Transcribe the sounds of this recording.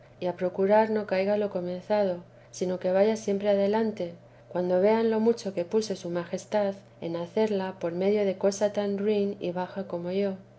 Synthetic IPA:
iapɾo̞kuɾaɾno̞kajɣalo̞ko̞mẽ̞nθað̞o̞ | sino̞ke̞β̞aʝasje̞mpɾe̞aðe̞lant̪e̞ | kwand̪o̞βe̞anlo̞mut͡ʃo̞kepuso̞sumaxe̞st̪að | e̞̰naθe̞ɾlapo̞ɾme̞ðjo̞ð̞e̞ko̞sat̪anrwinḭβaxako̞mo̞ʝo̞

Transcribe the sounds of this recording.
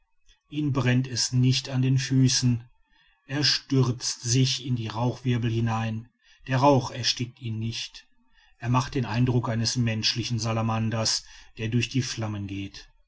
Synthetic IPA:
ʔiːnbʁɛntɛsnɪçtandeːnfyːsn̩ | ʔeːɐʃtʏʁt͡stz̥ɪçɪndiːʁaʊxv̥ɪɐbl̩hɪnaɪn | d̥eːɐʁaʊxɛɐʃtɪk̚tiːnːɪçt | ʔeːɐmaχt̚d̥eːnʔaɪndʁʊkʔaɪnəsmɛnʃlɪçn̩zalamandɐsd̥eːɐdʊɐçd̥iːflamənɡeːt

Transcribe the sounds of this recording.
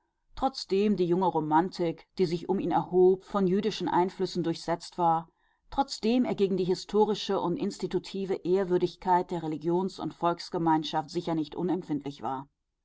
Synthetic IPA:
tʁ̥ɔt͡sd̥eːmdiːjʊŋəʁomantʰɪkd̥iːzɪçʊmiːnɛɐhoːpfɔnjyːdɪʃn̩ʔa̰ɪnflʏsn̩dʊɐçz̥ɛt͡stv̥aːɐ | tʁ̥ɔt͡sd̥eːmeːɐɡeːɡŋ̩diːɦɪstʰoːʁ̞ɪʃəʔʊntʔɪnstitutʰiːvəʔeːɐvʏɐdɪçkʰaɪt̚d̥eːɐʁeliɡjoːnsʊ̰ntfɔlksɡ̥əmaɪnʃaftz̥ɪçɐnɪçtʔʊ̰nɛmfɪntʰlɪçv̥a̰ːɐ

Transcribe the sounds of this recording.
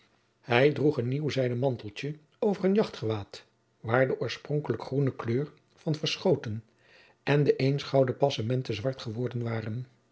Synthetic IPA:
hɛjdruχənːiwzɛjdəmɑntəlˠtə | owvərənjɑχtχəʋaːt | ʋaːɹdəʔʊːɹsprɔŋkələkχrunəkløːɹ | v̥ɑnvəɹsχowtən | ɛndəʔensχɑwdəpɑsamɛntəzʋɑɹtχəʋɔɹdənʋaːrən

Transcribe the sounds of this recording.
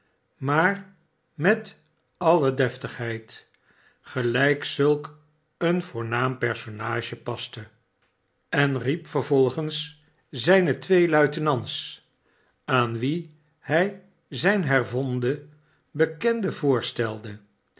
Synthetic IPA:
maːr | mɛt | ɑlədɛftəχɦɛjt | χəlɛjksɵlˠk | ənv̥ʊːɹnaːmpɛɹsonaːʒəpɑstə | ɛnripfəɹvɔlˠχəns | zɛjnətʋejlœɥtənɑns | aːnʋi | hɛj | zɛjnɦɛɹvɔndə | bəkɛndəvʊːɹstɛlˠdə

